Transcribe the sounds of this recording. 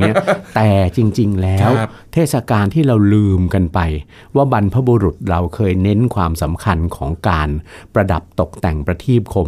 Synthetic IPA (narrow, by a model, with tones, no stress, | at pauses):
i˦˥t̪ɛː˨˩t͡ɕi˧ŋt͡ɕi˧ŋlɛː˦˥w | t̪ʰeː˥˩t̪̚sa˧kaː˧nt̪ʰiː˥˩ɾa˧wlɯː˧mka˧npa˧j | waː˥˩ba˧npʰa˦˥bu˧ɾu˨˩t̪̚ɾa˧wkʰɤː˧jne˦˥nkʰwaː˧msa˩˦mkʰa˧nkʰɔː˩˦ŋkaː˧npɾa˧da˨˩p̚t̪o˨˩k̚t̪ɛ˨˩ŋpɾa˧t̪ʰiː˥˩p̚kʰo˧m